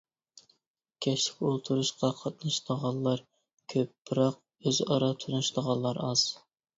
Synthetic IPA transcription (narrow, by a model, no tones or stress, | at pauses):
kʲʰɛʃlɪ̥kʲolˠt̪ʰuɾuʃqɑqʰɑt̪̚nɑʃləʁɑlˠlːˠɑɾ | kʲʰøpːɾɑq̚ | øzɑɾɑt̪ʰunuʃlˠəʁɑlˠːɑɾɑz̥